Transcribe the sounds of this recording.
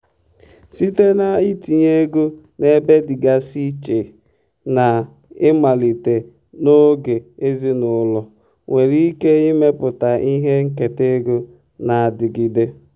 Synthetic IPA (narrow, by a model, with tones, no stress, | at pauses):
si˦te˦na˨i˦ti˨ɲe˦ɡo˦ | ne˦be˦dɪ˨ɡa˦si˦t͡ʃe˨ | na˨ | ɪ˦ma˨li˨te˨ | no˦ɡe˨e˦zi˦nʊ˨˦lɔ˨ | wʔe˨ɾi˦ke˦i˦me˦pʊ˨ta˨i˦ɦe˦ŋ̩˦ke˨te˦ɡo˦ | na˨a˨dɪ˨ɡi˦de˦